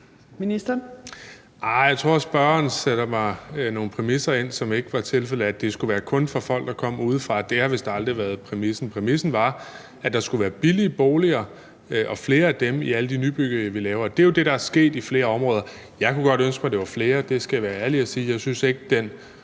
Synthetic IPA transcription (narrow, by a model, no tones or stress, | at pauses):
minisd̥ɐ | ʔɑ̈ɪjɑ̈ɪt͡sʰʁo̝ɐsb̥ɶɐnseɾ̥ɐmɑ̈ɪno̝ːn̩pʰʁɛmisɐe̝n̰sɒ̽me̝ɡ̥əʋɑ̈t͡sʰe̝lfel̰̩ˠæd̥e̝sɡ̥uʋæːɐkʰɔ̽nfɒ̽fɒ̽l̰ɡ̥d̥ɑ̈kʰɒ̽m̰uːð̞ˠfʁɑ̈d̥e̝hɑ̈ʋe̝sd̥ɑɑ̈ld̥ʁiʋæɐð̩ˠpʰʁɛmisn̩pʰʁɛmisn̩ʋɑ̈ | æd̥ɑ̈sɡ̥uʋæːɐb̥iliəb̥oːliɐː | ʔɒ̽fle̝ːɐæd̥emiæləd̥inyːb̥yɡ̥ðɐjɑʋilɛːʊɐːd̥e̝jo̝d̥e̝ɾɑ̈æsɡ̥e̝̰ːd̥ifle̝ːɐɒ̽mʁɔ̽ːðˠɐ | jɑ̈ɪkʰuɡ̥ɒ̽ɾ̥ønsɡ̥mɑ̈d̥e̝ʋɑ̈fle̝ːɐd̥e̝sɡ̥æjʋæːɐæɐliæsiːjɑ̈ɪsynse̝ɡ̥̚əd̥en